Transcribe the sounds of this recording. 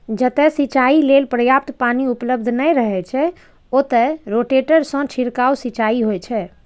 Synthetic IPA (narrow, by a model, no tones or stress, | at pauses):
d͡ʒət̪ɛsit͡ʃailelpɾəjap̚t̪paniupləb̚d̪ʱnəjɾəɦɛt͡ʃʰɛ | ot̪ɛɾoʈeʈəɾsə̃t͡ʃʰiɾkausit͡ʃaiɦojt͡ʃʰɛ